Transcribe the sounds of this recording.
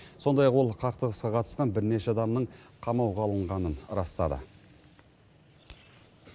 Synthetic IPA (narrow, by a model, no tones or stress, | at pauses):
so̞nd̪ɑjɑqwo̞lˠqʰɑqt̪əʁəsqɑqʰɑt̪ə̥sqɑnbɪɾne̞ʃeɑd̪ɑmnəɴqʰɑmɑwʁɑlˠəɴʁɑnənɾɑst̪ɑ̰d̪ə̰